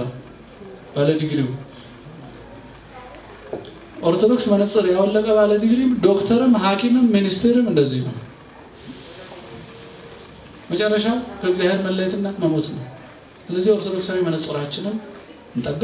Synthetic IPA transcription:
b̥aləd̪ɨɡɾim | ʔo̞ɾt̪ʰo̞d̪o̞ksmənəsʼɨɾjawɔlːəkʼəbaləd̪iɡɾimd̪o̞kt̪ʰəɾɨmɦakʼimɨmːinist̪ʰeɾɨmɨnd̪əzːijho̰n | mət͡ʃʼɛrːəʃawkʰəɡzjaheɾməlːəjɛt̪ɨnːaməmo̞t̪nəw | sɨləzːiho̞ɾt̪ʰo̞d̪o̞ksawemənəsʼɨɾat͡ʃːɪnɨm | ɨnt̪ʼəb̪ːɨ

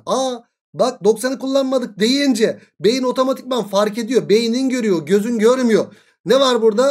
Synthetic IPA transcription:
a | bak̚d̪o̞ksanɯkulˠːanmad̪ɯk̚d̪e̞jilʲind͡ʒɛ | be̞jino̞t̪ʰo̞mat̪ʰi̥c̚banfaɾce̞d̪ijobe̞jininɟø̞ɾyjo̞ɟø̞zynɟø̞ɾymjo | nevaɾbuɾd̪a

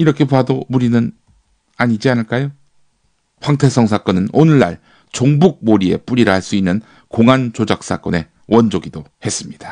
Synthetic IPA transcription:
iɾʌkʰe̞padomuɾinɯn | aɲid͡ʑianɯɭk͈ajo | ɸwaŋtʰes͈ʰʌŋsʰak͈ʌnɯnonɯɭːa̰ɭ | t͡ɕoŋbuk̚moɾie̞̰p͈uɾiɾɯhaɭs͈uinːɯn | koŋant͡ɕod͡ʑak̚s͈ak͈ʌne̞ | wʌnd͡ʑoɡidohe̞s͈ɯmɲidḁ

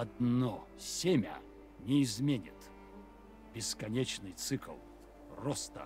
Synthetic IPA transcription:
ɐd̪no | sʲemʲə̰ | nʲɪɪzmʲenʲɪ̰t̪ | b̥ʲɪskɐnʲet͡ɕnɨjt̪sɨkə̰lˠ | rɔst̪ə̰

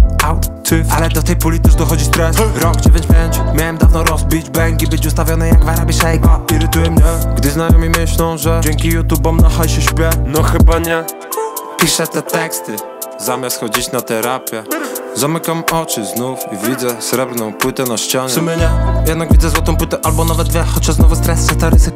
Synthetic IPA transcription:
awt̪ʰɪalɛd̪ɔt̪ɛjpulʲit̪uʐd̪ɔxɔd͡ʑist̪ɾɛsvɾɔkt͡ɕɛvʲjɛɲd͡ʑbjɛɲt͡ɕmʲjawɛmd̪avnɔɾɔzbʲid͡ʑbɛŋkʲibɘt͡ɕust̪avʲjɔnɛjaɡvaɾabʲiʂɛjɡɔiɾɪt̪ujɛmɲɛɡd̪ɘznajɔmimɘɕlɔ̃w̃ʐɛd͡ʑɛŋkʲijut̪ubɔmnaxajɕɛɕpʲjɛnɔxɘbaɲɛ | pʲiʂɛt̪ɛt̪ɛkst̪ɘ | zamʲjast̪xɔd͡ʑit͡ɕnat̪ɛɾapʲjɛzamɘkamɔt͡ʂɘznufivʲid̪zɛsɾɛbɾnɔ̃w̃pwɘt̪ɛnaɕt͡ɕɔɲsɛmʲɛɲɛjɛd̪naɡvʲid̪zɛzwɔt̪ɔ̃w̃pwɘt̪ɛʔalbɔnavɛd̪̚d̪vʲjɛxɔt͡ɕɔznɔvust̪ɾɛssɛst̪aɾɪsɪk

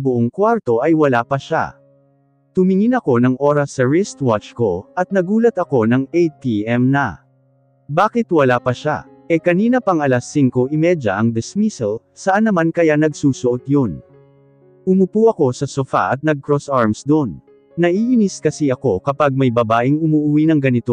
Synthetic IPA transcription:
bʊʔoŋkwaɾt̪o̞ʔɐjwɐlapɐʃa̰ | t̪ʊmɪŋɪnɐko̞nɐŋʔo̞ɾɐsːɐɹɪst̪wat͡ʃko̞ʔɐt̪̚nɐɡuːlɐt̪ɐko̞nɐŋejt̪iɛmnɐ | baːkɪt̪wɐlapɐʃa̰ | ʔɛkɐniːnɐpɐŋɐlɐsːiŋko̞ʔɪmɛd͡ʒɐʔɐŋd̪ɪsmisɛl | sɐʔanɐmankɐjanɐɡsuːsʊʔot̪̚jon | ʔʊmʊpuʔɐko̞sɐsofa̰ʔɐt̪̚nɐɡ̚kɾosaɹmsd̪onː | ɐʔiʔɪniskɐsiɐko̞kɐpaɡ̚mɐjbɐbaːʔɪŋʊmuʔʊwinɐŋɡɐnɪt̪o

